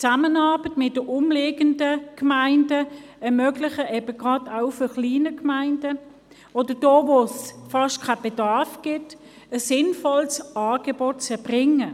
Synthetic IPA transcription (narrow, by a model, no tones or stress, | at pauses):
t͡samənɑɐb̥ətmɪt̚d̥əʔʊmleːɡəndəkmaɪndəɛɐmœɡlɪχəʔɛbəɡ̥ʁɑdaʊfyχliːnəkmaɪndə | ɔd̥əd̥oːvosfɑʃtkʰab̥edɑɐfɡ̥ɪt | əsɪnfɔlsɑːɡ̥ebɔt̚t͡sɛɐb̥ʁɪŋə